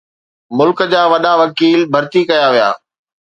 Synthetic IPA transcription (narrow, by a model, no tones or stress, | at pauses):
mʊlkə̆d͡ʑaːʋɐɗaʋɐkiːlbʱɐɾt̪ikɐjaʋija̰ː